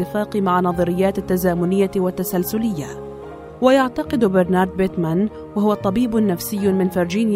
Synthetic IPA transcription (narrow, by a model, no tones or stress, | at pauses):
ɪfaːqmaʕanɑðˤɑɾɪjːaːt̪at̪ːazaːmʊnɪjːawat̪ːasalsʊlɪjːa | wajaʕt̪ɑqɨd̪bɪɾnɑːɾˤd̪̚bɪt̪man | wahʊwat̪ˤɑbiːbʊnːafsɪjːʊmɪnfɪɾd͡ʒiːn